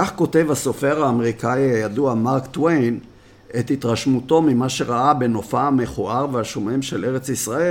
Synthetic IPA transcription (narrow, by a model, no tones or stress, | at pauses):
kaχko̞te̞vhaso̞feʁaːmeʁikaiajaduamaʁkt̪wejn | et̪hit̪ʁaʃmuto̞mimaʃe̞ʁaʔabe̞no̞faame̞χoʔaʁvehaʃome̞mʃe̞le̞ʁet͡sisʁae